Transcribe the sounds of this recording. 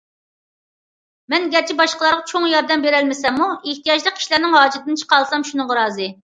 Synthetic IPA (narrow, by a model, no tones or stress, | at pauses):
mɛnɡʲɛɾt͡ʃʰibɑʃqəlˠɑɾʁɑt͡ʃʰoŋjɑɾd̪ɛmbeɾɛlmɪsɛmːueht̪ijɑd͡ʒlˠəqʲʰːi̥ʃlæɾnɪŋɦɑːd͡ʒɪɾt̪̚ʰɪnɨt͡ʃʰə̥qɑlˠsɑmʃunɨŋʁɑɾɑːzɨ